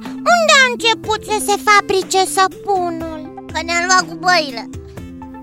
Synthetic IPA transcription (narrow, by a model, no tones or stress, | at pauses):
und̪eaɨnt͡ʃe̞put̪səse̞fabɾit͡ʃesəpunul | kənealwat̪̚kubəile